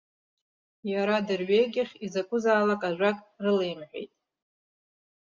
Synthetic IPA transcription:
jaɾadɨrɥejɡʲɪχʲizakʷʼʊzaːlakʼaʒᶣʷakʼrɨlejmħʷᶣḛjtʼ

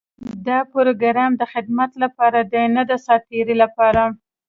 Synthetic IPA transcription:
d̪ɑpoɾoɡaɾɑmd̪əxɪd̪mat̪lapɑɾad̪ənəd̪asɑt̪eɾilapɑɾa

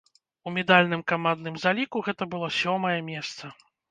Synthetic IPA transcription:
umʲɛd̪alʲnɨmkamand̪nɨmzalʲikuɣɛt̪ɐbɨlˠɔsʲɔmɐjɛmʲɛst̪sɐ

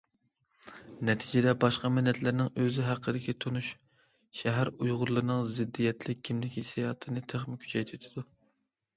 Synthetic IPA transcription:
nɛt̪ʰid͡ʒɪd̪ɛbɑʃqɑmɪnːɛt̪ʰlɪɾnɪŋøzɪɦæqʰːəd̪ɪkʲit̪ʰonuʃ | ʃɛɦæɾujʁʊɾlˠɨɾnɨŋzɪd̪ːijɛt̪ʰlɪkʲkʲʰːimlɪkʲisijɑːt̪ʰɨnɨt̪ʰæχmɪkʲʰy̥t͡ʃʰɛjt̪ʰet̪ʰɪd̪u

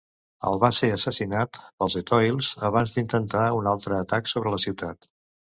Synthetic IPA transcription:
ə̰lˠβaseəsəsinat̪pəlˠzet̪ɔjlˠzəβanzd̪int̪ənt̪aunalˠt̪ɾəːt̪aksoβɾələsiwt̪at̪

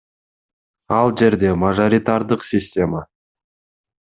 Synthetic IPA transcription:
ɑlˠʒe̞ɾd̪e̞maʒo̞ɾʲit̪aɾd̪əqsʲisʲtʲe̞ma

